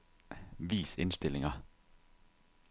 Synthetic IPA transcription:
ʋiːsɪ̰nst̪ɪlɪŋɑ

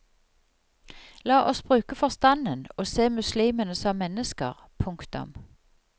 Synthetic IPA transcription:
lɑːʔɔsbʁʉːkəfɔʁst̪ɑnənoːseːmʉsliːmənəsɔmːɛnəskə̰ʁ | pʰʊŋkt̪ʊ̰m

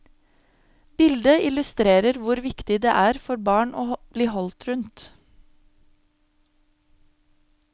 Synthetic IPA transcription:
bɪld̪əɪlʉst̪ɾeːɾəɾʋʊɾʋɪkt̪ɪd̪eːʔæːɾfɔɾbɑːɳʔo̰ːb̥liːhɔlt̪ɾʉnt̪

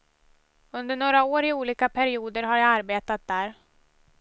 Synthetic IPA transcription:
ɵnd̪əɳoːɾaoːɾɪuːliːkapʰæɾɪuːd̪əɾɦaɾjaaɾbeːt̪at̪̚d̪æːɾ

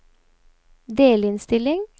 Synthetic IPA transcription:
d̪eːlɪnst̪ɪlɪŋ

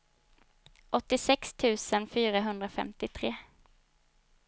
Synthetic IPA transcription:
ʔɔt̪ːɪsɛkst̪ʰʉ̟ːsənfyːɾaɦɵnd̪ɾafɛ̰mt̪ɪt̪ʰɾeː

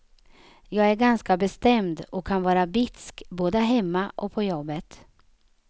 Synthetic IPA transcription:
jɑːɡæɾɡanskabɛst̪ɛmd̪ɔkʰːanvɑːɾabɪt̪skboːd̪əɦɛmːaʔɔ̰kpʰɔjɔbːət̪

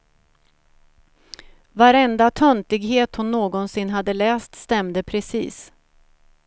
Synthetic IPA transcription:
vaɾɛnd̪at̪ʰœnt̪ɪɡɦeːt̪hʊnːoːɡɔnsɪnːɦad̪ːəlɛːst̪st̪ɛmd̪əpʰɾɛsḭːs

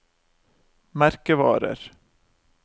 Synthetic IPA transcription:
mæɾkəvɑ̰ːɾə̰ɾ

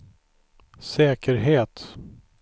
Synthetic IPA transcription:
sɛːkəɾɦeːt̪

